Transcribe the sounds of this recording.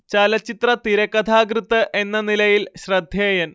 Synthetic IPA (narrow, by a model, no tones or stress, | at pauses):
t͡ɕɐlɐt͡ɕːit̪rɐt̪iɾɐkːɐd̪ʰʱaːɡɾɨt̪ːɨʔe̞nːɐnilɐjilɕrɐd̪ʱjeːjɐn